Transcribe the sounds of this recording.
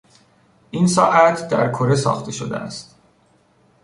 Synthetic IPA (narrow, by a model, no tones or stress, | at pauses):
ʔinsɒːʔæt̪ʰd̪æ̰ɾkʰoɾesɒ̰ːxt̪ʰe̞ʃod̪ḛæ̰st̪